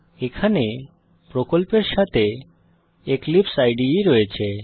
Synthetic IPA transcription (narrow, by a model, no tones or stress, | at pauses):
ekʰane | pɾokolpeɾʃat̪ʰe | eklipsajɖiɾɔet͡ɕʰe